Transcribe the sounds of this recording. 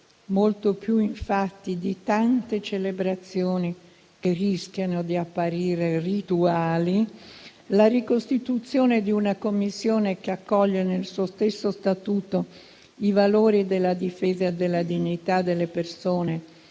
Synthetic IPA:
molt̪opjuiɱfat̪ːid̪it̪ant̪et͡ʃelebɾat̪sːjoːni | kerisk̟ʲjanod̪iapːaɾiːɾerit̪uaːli | laɾikost̪it̪ut̪sːjoːned̪iunakomːisːjoːnekeakːɔʎːenelsuːost̪esːost̪at̪uːt̪o | ivaloːɾid̪elːad̪ifeːzaed̪elːad̪iɲːit̪ad̪ːelːepersoːne

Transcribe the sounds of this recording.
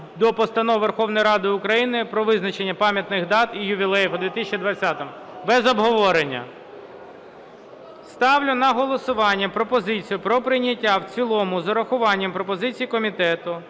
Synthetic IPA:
d̪ɔpɔst̪ɐnɔwʋerxɔwnɔjɾɑd̪ɪʊkɾɐjinɪpɾɔʋɪznɐt͡ʃenʲːɐpɑmʲjɐt̪nɪɣd̪ɑt̪ijʊʋʲilˠɛjfd̪ʋʲit̪ɪsʲt͡ʃʲid̪ʋɐt͡sʲːat̪ɔm | bɛzɔbɦɔʋɔɾenʲːɐ̰ | st̪ɑwlʲʊnɐɦɔlˠɔsʊʋɑnʲːɐpɾɔpɔzɪt͡sʲijʊpɾɔpɾɪjnʲɐtʲːawt͡sʲilˠɔmʊzɐɾɐxʊʋɑnʲːɐmpɾɔpɔzɪt͡sʲijikɔmʲit̪ɛt̪ʊ

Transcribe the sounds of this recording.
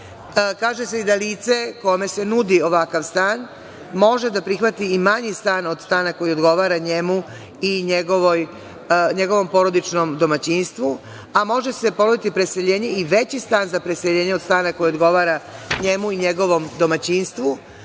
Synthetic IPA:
kaːʒeseid̪aliːt̪se̞ko̞me̞se̞nud̪io̞ʋakaʋst̪aːn | mo̞ʒe̞d̪apɾixʋat̪iːmaɲist̪aːno̞d̪st̪aːnako̞jio̞d̪ɡo̞ʋaːɾaɲe̞mu | iɲe̞ɡo̞ʋoj | ɲe̞ɡo̞ʋo̞mpo̞ɾo̞d̪it͡ʃno̞md̪o̞mat͡ɕinst̪ʋu | amo̞ʒe̞se̞ponod̪it̪ipɾe̞seʎe̞ːɲe̞iʋe̞t͡ɕist̪aːnzapɾe̞seʎe̞ːɲeo̞d̪st̪aːnako̞jiod̪ɡo̞ʋaːɾaɲe̞muiɲe̞ɡo̞ʋo̞md̪o̞mat͡ɕinst̪ʋu

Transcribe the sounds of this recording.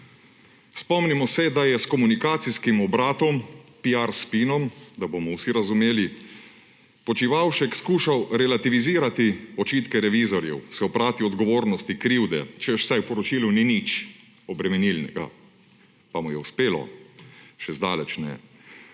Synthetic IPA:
spɔmnimɔsɛd̪ajɛskɔmunikaːt̪siskimɔbɾaːt̪ɔmpiaɾspinɔmd̪abomɔwsiɾazumeːli | pɔt͡ʃiʋawʃɛkskuːʃawɾɛlat̪iʋiziːɾat̪iɔt͡ʃiːt̪kɛɾɛʋizɔɾjɛwsɛɔpɾaːt̪iɔd̪ɡɔʋoːɾnɔst̪ikɾiwd̪ɛ̰t͡ʃɛwsajwpɔɾɔt͡ʃiːluninit͡ʃ | ɔbɾɛmɛnilnɛ̰ɡa̰ | pamujɛuspeːlɔ̰ | ʃɛzd̪aːlɛt͡ʃnɛ̰

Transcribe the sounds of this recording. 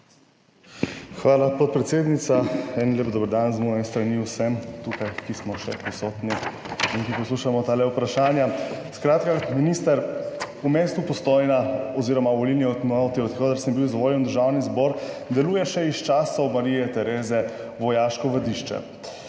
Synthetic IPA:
xʋaːlapɔt̪̚pɾɛt̪seːd̪nit̪saɛnlʲeːpd̪ɔːbəɾd̪anzmuɛst̪ɾaniwsɛmt̪ukajkismɔʃɛ̰pɔsɔt̪ni | iŋkipɔsluʃamɔt̪aːlɛupɾaʃaːnjaskɾaːt̪kaminist̪əɾ | umeːst̪upɔst̪ojnaɔziːɾɔmaʋɔlilniɔt̪mɔt̪iɔt̪kɔd̪aɾsəmbiwzʋɔːljɛnd̪əɾʒaːwnizbɔɾd̪ɛluːjɛʃɛist͡ʃaːsɔwmaɾijɛt̪ɛɾeːzɛʋɔjaːʃkɔʋɐd̪iʃt͡ʃɛ̰

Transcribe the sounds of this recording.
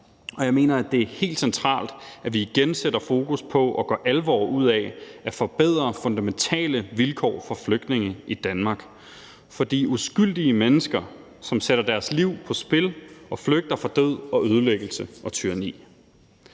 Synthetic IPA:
ʔɒ̽jɑ̈ɪme̝̰ːnɐæd̥e̝æɐhe̝̰ːld̥sent͡sʰʁɑ̰̈ːld̥ʔæʋiːɡ̥enseɾ̥ɐfo̝ːkʰuspʰɒ̽ʔɒ̽ɡ̥ɶ̰ːʔælʋɒ̰ːuð̞̰ˠɛæfɒ̽b̥eð̞̰ˠʁɐfɔ̽nd̥æment͡sʰɛ̰ːləʋilkʰɒ̰ːfɒ̽fløɡ̥̚d̥ne̝ŋəʔid̥ænmɑ̈ːɡ̥ | fɒ̽d̥ḭːusɡ̥yl̰d̥iəmenəsɡ̥ɐ | sɒ̽mseɾ̥ɐd̥æɐsliʊ̰pʰɒ̽sb̥e̝lɒ̽fløɡ̥̚d̥ɐfɒd̥øð̰ˠɒ̽øð̞ˠəleɡ̥l̩səʔɒ̽t͡sʰyɐɐnḭː

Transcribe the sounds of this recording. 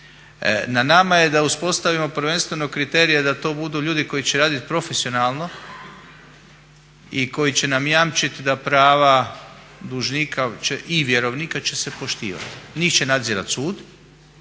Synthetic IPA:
nanamaje̞d̪auspo̞st̪aʋimo̞pɾ̩ʋe̞nst̪ʋe̞no̞kɾit̪e̞ːɾijed̪at̪o̞ːbud̪uːʎuːd̪iko̞jit͡ɕeɾaːd̪it̪̚pɾo̞fesio̞naːlˠno̞ | iko̞jit͡ɕe̞namjamt͡ʃit̪d̪apɾaːʋa | d̪uʒnikʰat͡ʃeʔiʋjeɾo̞ʋniːkat͡ɕe̞se̞po̞ʃt̪ḭːʋa̰t̪niːxt͡ɕenad̪ziːɾa̰t̪suːd̪

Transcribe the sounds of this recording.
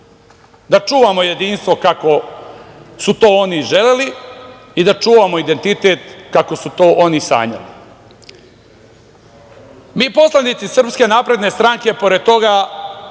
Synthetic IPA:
d̪at͡ʂuːʋamo̞je̞d̪iːnst̪ʋo̞kako̞ | sut̪o̞ːoniʒe̞leli | id̪at͡ʃuːʋamo̞id̪e̞nt̪it̪et̪kako̞sut̪oːʔo̞nisa̰ːɲa̰lḭ | miːpo̞slˠanit̪sisr̩pske̞naːpɾe̞d̪ne̞st̪ɾaŋke̞po̞ɾe̞d̪̚t̪o̞ɡa

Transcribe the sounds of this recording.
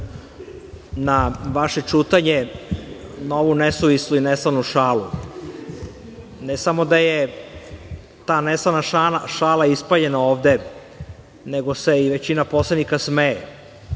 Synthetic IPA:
naʋaʃe̞t͡ʃuːt̪aɲe | noʋunesuʋisluinesalnuʃaːlu | nesamo̞d̪aje | t̪aːnesanaaʃaːlaispaʎe̞naoːʋd̪e̞ | neɡo̞se̞iʋe̞t͡ɕinapo̞slenikasmeje

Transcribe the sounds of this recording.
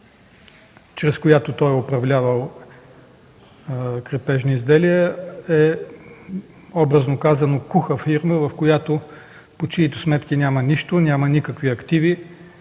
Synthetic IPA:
t͡ʃɾɛskojat̪ot̪ɔjopɾɐvlʲavəlˠ | kɾɛpɛʒnoizd̪ɛliɛɛ | ɔbɾəznokazɐnokuxəfiɾməvɐfkojat̪o | pot͡ʃiːt̪osmɛt̪kʲinʲamɐnʲiʃt̪onʲamɐnikəkviɐkt̪ivi

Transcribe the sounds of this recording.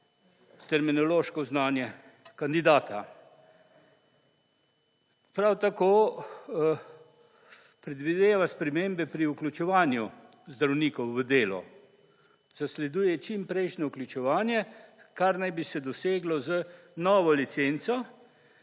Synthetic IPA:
t̪ɛɾminɔloːʃkɔznaːnjɛ | kand̪id̪aːt̪ʰa | pɾawt̪akoː | pɾɛd̪ʋid̪eːʋaspɾɛmeːmbɛpɾiuklʲut͡ʃɛʋaːnju | zd̪ɾawniːkɔwːəd̪eːlɔ̰ | z̥aslɛd̪uːjɛt͡ʃimpɾɛjʃnɔuklʲut͡ʃɛʋaːnjɛkaɾnajbisɛd̪ɔseːɡlɔzənɔːʋɔlit̪sent̪sɔ

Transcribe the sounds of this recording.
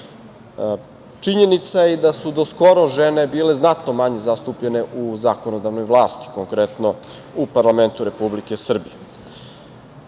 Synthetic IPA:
t͡ʂiɲe̞nit̪sajed̪asud̪o̞sko̞ɾo̞ʒene̞biːle̞znat̪nomaɲe̞zast̪uːpʎe̞ne̞ʔuzakonod̪aʋnojʋlˠaːst̪i̥koŋkɾet̪no̞ | upaɾlame̞nt̪uɾe̞publikesr̩bije

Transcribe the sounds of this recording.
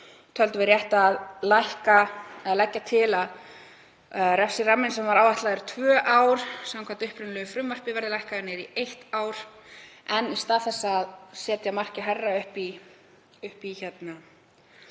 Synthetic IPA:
t̪ʰœlt̪ʏvɪɾjɛht̪aðlajhkaɛðalɛcːat̪ʰɪlað | rɛfsɪramːɪnsɛmvaɾaːwvaht̪laðʏɾ̥t̪ʰvœːʔawɾ̥samkʰant̪ʏhpɾʏnlːɣʏfɾʏmːar̥pɪvɛɾðɪlajhkanɪɾiejht̪aːwɾ̥ɛnist̪aːðθɛsːaːðsɛːt̪jamar̥cɪɦɛrːaʏhpi | ʏhpiçɛt̪na

